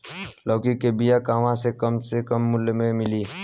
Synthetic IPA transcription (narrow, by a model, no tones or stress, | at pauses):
lɔːkikebɪjakaːʋãsekəmsekəmːʊlmẽmɪliː